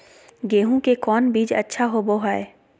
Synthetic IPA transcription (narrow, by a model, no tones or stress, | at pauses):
ɡeːɦũkekɔːnbiːd͡ʒɐ̰tːʃʰaɦoboɦaːeː